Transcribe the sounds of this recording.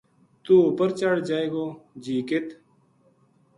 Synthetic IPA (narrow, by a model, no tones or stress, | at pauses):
t̪uːupəɾt͡ʃaɽd͡ʒaːeːɡoːd͡ʑiːket̪